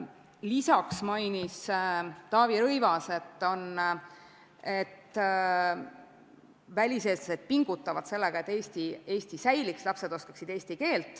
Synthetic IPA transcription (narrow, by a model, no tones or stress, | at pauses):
lisɑksmɑjnist̪ɑːviɾɤjvɑse̞t̪ˑːo̞n | e̞t̪ːˑ | vælʲise̞ːslɑse̞d̪̥̚piŋɡ̥ut̪ːˑɑvɑd̪se̞lːeɡ̥ɑe̞t̪ːˑe̞ːst̪ie̞ːsʲt̪isæjlikslɑpse̞d̪o̞skɑ̥ksid̪̥eːsʲt̪ike̞ːlt̪ːˑ